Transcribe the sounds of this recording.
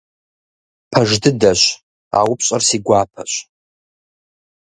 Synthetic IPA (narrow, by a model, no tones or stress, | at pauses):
pʰaʐdɨdaʃʷ | a̰wʊpʰɕʼarsiɡʷaːpʰaɕʷ